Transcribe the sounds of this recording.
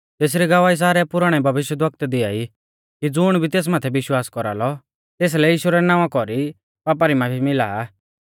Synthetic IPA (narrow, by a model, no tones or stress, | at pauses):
t̪eːs̬ɾiɡɐʋaːis̬aːɾɛpʊɾaɽ̃ɛbʱɐʋɪʃjəd̪ʋɐk̚t̪d̪ɪai | kid͡zʊɽ̃bʱit̪eːs̬maːt̪ʰɛbɪʃwaːskɔɾa̰lɔ | t̪eːs̬lɛjiːʃuɾɛnãːʋãkɔɾi | paːp̬aɾimãbʱimɪlaː